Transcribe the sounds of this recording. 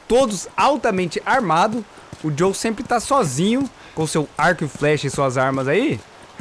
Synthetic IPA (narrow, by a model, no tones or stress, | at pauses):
t̪od̪ʊsawt̪ɐmẽnt͡ʃɪʔaɾmad̪ʊ | ʊd͡ʒowsẽmpɾɪt̪asɔzĩɲʊ | kõʊsewaɾkʊɪflɛʃʊɪsuɐzaɾmɐzai